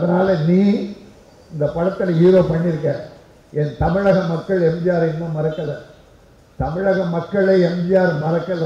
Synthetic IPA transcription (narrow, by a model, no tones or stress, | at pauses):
ɐðɐnaːlɐniː | ɪnd̪ɐpɐɻɐt̪ːɪliːɾoːpɐɳːɪɾɯk̬ːɐ̃ː | ɛnt̪ɐmɪɻɐɣɐmɐkːɐɭɛmd͡ʒɪjaːɾenmoːmɐɾɐkːɐðɐ | t̪ɐmɪɻɐɣɐmɐkːɐɭeːɛmd͡ʒɪjaːɾmɐɾɐkːɐðɐ